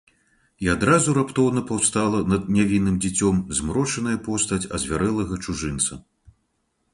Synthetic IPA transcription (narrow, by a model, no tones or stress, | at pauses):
iad̪ɾazuɾapt̪ɔwnɐpawst̪alˠɐnɐd̪̚nʲavʲinːɨmd͡zʲit͡sʲɔmzmɾɔt͡ʂɐnɐjɐpɔst̪ɐt͡sʲɐ̰zʲvʲaɾɛlˠɐɣɐt͡ʂuʐɨnt̪sɐ